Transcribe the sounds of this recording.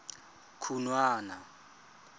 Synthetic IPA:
kʰunwaːna

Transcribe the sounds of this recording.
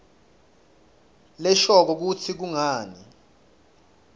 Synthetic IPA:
lɛʃɔk̬ɔk̬ut͡sʰik̬uŋaːni

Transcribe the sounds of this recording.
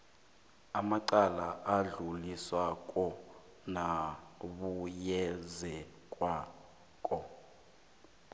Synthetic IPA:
amaǃalaʔaɮuliswakʼɔ | naɓujɛzɛkʼwa | kʼɔ

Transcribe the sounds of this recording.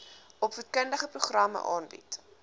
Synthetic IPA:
ɔpvətkəndəχəpruχrɐmə̰ʔɑːnbḭt

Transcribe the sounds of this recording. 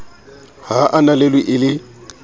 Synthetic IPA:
haʔanaleliʔɪlɪ

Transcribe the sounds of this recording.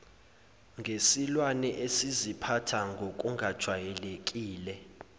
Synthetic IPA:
ŋɡʱesilwanɛʔesizipʰatʰaŋɡʱok̬ʼuŋɡʱad̥ʒ̥ʱwajɛlek̬ʼiːlɛ

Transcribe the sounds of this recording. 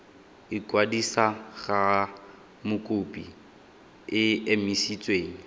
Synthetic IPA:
ɪkʼwadisaɣa | mʊkʼʊpʼi | ɪemisit͡sʼweːŋ̩

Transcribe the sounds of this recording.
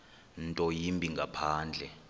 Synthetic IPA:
ntʼɔjimbʱiŋɡʱapʰaːnd͡ɮʱɛ

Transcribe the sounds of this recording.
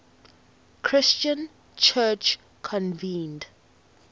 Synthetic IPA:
kʰɹɪst͡ʃə̃n | t͡ʃʰɜt͡ʃ | kʰɔ̃nvĩːnd

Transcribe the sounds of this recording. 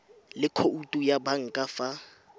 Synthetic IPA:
lɪkʰoutʼujabaŋ̩kʼafa

